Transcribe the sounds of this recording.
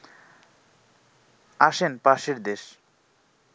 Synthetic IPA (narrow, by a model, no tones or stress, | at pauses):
aʃenpaʃeɾd̪eʃ